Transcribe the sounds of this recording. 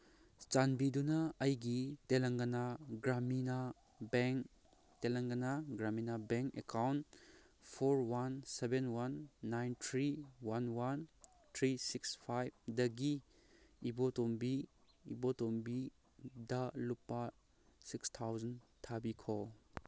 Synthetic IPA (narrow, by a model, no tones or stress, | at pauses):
t͡ʃanbidunɐɐjɡitelɐŋɡɐnaɡɾamina | beŋ | telɐŋɡɐnaɡɾaminabeŋkekawn | pʰoɾwansebenwanːajntʰɾiwanwan | tʰɾisikspʰajb̚dɐɡiː | botombiː | botombi | dɐlupːa | sikstʰawzɐntʰabikʰɔ